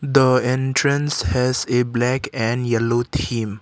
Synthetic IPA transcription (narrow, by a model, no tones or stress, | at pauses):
d̪əɛ̃nʈɾə̃nshɛzeblɛkɛ̃ɳɖjɛloːt̪ʰĩːm